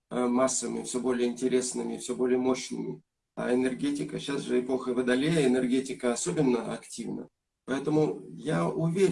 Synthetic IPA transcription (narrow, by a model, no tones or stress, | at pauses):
masːəvɨmʲɪfsʲobo̞lʲɪjəɪnʲtʲɪɾʲe̞snɨmʲɪfʲsʲobo̞lʲɪjəmo̞ɕnɨ̰mʲɪ̰ | a̰ɪnʲɛrɡʲetʲɪkəɕasʐɨɪpo̞xəvəd̪ɐlʲejəɪnʲɛrɡʲetʲɪkəɐso̞bʲɪnːəɐ̰ktʲivnə̰ | pɐɛt̪əmʊjaʊvʲeɾʲ